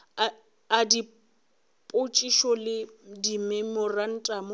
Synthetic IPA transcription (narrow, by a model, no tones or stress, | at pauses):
adi | pʼʊt͡ʃʼiʃɔlɪdimɛmɔran̩tʼamʊ